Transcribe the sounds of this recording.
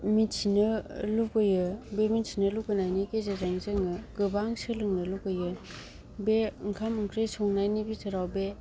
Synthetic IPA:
mitsʰinɯlukɯjɯbemitsʰinɯlukɯnajnikezeɾaŋzɯŋɯɡɯbaŋsɯlɯŋnɯlukɯjɯ | beɯŋkʰamɯŋkʰɾesɔŋnajnibitʰɯɾawbe

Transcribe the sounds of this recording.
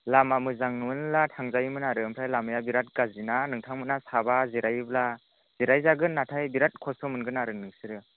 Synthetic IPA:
lamamɯzaŋɯnlatʰaŋzajɯmɯnaɾɯɯmpʰajlamɯjabiɾat̚ɡazinanɯŋtʰaŋmɯtnasabaziɾajɯbla | z̥iɾajzaɡɯnːatʰajbiɾat̚kʰɔsɔmɯnɡɯnaɾɯnɯŋsɯɾɯ

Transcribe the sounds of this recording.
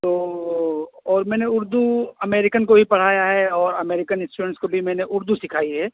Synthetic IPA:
t̪oː | ɔːɾmɛ̃ːneʊɾd̪uɐmeːɾɪkənkobʱipɐɽ̤aːjaɦɛɔːɾɐmeːɾɪkənɪ̃sʈuɾə̃ɳʈskobʱimɛ̃ːneʔʊɾd̪usɪkʰaːiɦɛː

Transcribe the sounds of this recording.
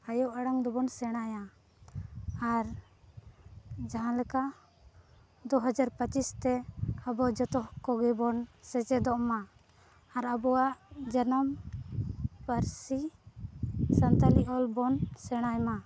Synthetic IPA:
ajɔʔaɽaŋd̪ɔbɔnsɛɽ̃aja | aɾ | d͡ʒaɦãlɛkaʔ | d̪ɔɦəd͡ʒaɾpət͡ʃist̪ɛəbɔd͡ʒɔt̪ɔhkɔɡɛbɔnsɛt͡ʃɛd̪ɔʔma | aɾabɔwaʔd͡ʒənəm | pəɾsi | sənt̪aliʔɔlbɔnsɛɽ̃ajma

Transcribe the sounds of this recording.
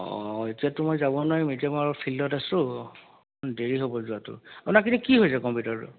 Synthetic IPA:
ɔ̰etiatʊmɔjzabɔnajmetiamɔaɹfʰilːɔtasʊ̃ | nbeɹiɦobɔzuatʊ̰apunak̬itɛkiɦojsɛkɔmpjutaɹtʊ̰

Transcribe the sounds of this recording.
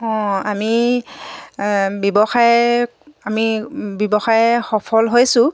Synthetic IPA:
ɔ̃ami | bjɔbɔxaj | amibɔbɔxajxɔpʰɔlɦojsʊ̃

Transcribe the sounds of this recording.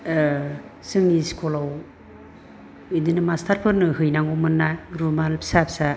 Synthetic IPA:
sɯŋiskʰɔlaw | idɯnɯmastʰaɾpʰɯnɯhɯjnaŋɡɔmɯnːaɾumalpʰsapsa

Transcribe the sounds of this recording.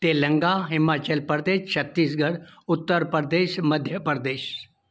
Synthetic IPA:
t̪eːlɐ̃ŋɡaɦɪmaːt͡ʃəlpəɾd̪eːʃt͡ʃʰɐt̪ːiːs̬ɡʱɐɽʊt̪ːəɾpəɾd̪eːʃmɐd̪ʱjəpəɾd̪eːʃ

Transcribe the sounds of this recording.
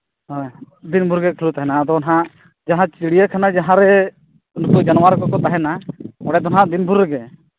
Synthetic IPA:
d̪inbʱuɾɡɛkʰlut̪aɦɛnaːd̪ɔɔnɦãʔ | d͡ʒaɦãt͡ʃiɽijakʰanad͡ʒaɦãɾɛ | unkud͡ʒanwaɾkɔkɔt̪aɦɛnaɔɽɛd̪ɔnɦãd̪inbʱuɾːɛɡɛ

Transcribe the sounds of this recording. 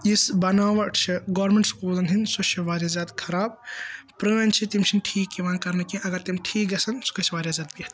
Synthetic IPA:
isbɐnaːʋɐʈt͡ʃʰiɡoːɾmẽɳʈskoːzɐnɦinsot͡ʃʰiʋaːɾjazʲjaːd̪kʰɐɾaːb̚pɾɨnt͡ʃʰit̪imt͡ʃʰinʈʰiːkːiʋaːnkɐɾnɐkĩʔɐɡɐɾt̪imʈʰiːkɡɐsɐnsu̥kɐt͡ʃʰʋaːɾʲjazʲaːd̪̚biːɐt̪

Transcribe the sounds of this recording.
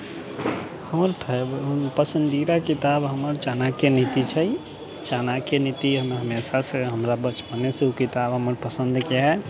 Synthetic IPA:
həməɾpʰpəsənd̪iɾakit̪abɦəməɾt͡ʃanakenit̪it͡ʃʰə | t͡ʃanakenit̪iɦəmɦəmesasẽɦəmɾabət͡ʃpəneseukit̪abɦəməɾpəsə̃nd̪keɦɛ

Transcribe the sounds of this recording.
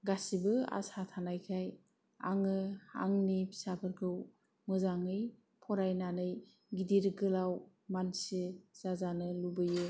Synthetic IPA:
ɡasibɯa̰satʰanajkʰaj | a̰ŋɯa̰ŋnipʰi̥sapʰɯɾkʰɯw | mɯzaŋɯj | pʰɔɾajnanɯj | ɡidiɾɡɯlaw | mansiz̥azanɯlubɯju

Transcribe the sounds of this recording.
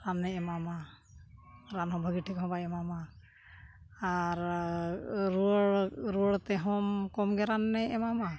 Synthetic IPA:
ɾanːɛɛmama | ɾanɦɔmbʱəɡiʈʰikɦɔ̃baɛmama | aɾ | ɾuɽɾuɽt̪ɛɦɔmkɔmɡɛɾanːɛɛmama

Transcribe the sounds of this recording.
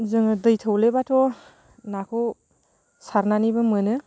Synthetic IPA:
zɯŋɯdɯjtʰəwlebatʰɔ | nakʰow | saɾnanibɐmɯnɯ

